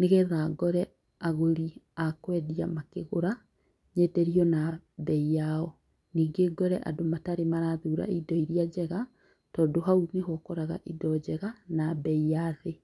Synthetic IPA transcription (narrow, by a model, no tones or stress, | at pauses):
neɣɛɾaɡɔɾɛ | aɣoɾiakwɛðiamakeɣoɾa | ɲɛdɛɾiɔnabɛijaɔ | niːɡeɡɔɾɛʔa̰domataɾemaɾaðuːɾa̰idɔiɾiad͡ʑɛɣa | tɔːdoɦauneɦɔkɔɾaɣa̰ʔidɔd͡ʑɛɣanabɛijaðe